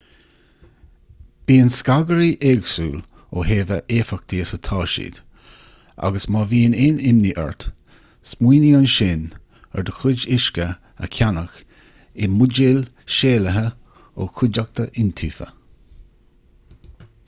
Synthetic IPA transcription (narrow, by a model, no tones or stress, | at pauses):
b̥iːənskaɡəɾiʔeːɡsuːl | oheːvəʔeːfak̚t̪ʰiəsət̪ʰɑːʃḭːd̪̥ | ʔa̰ɡəsmɑːviːənɪːnɪmniʔɛ̰ɹt̪ | smiːnianʃɪn | ɛɹd̪əxʊd͡ʒɪʃkə | ə̰kʰanəx | ɪmʊd͡ʒɪl | ʃeːləɦə | oːkʰʊd͡ʒak̚t̪ʰəʔɪnt̪ʰiːfə̰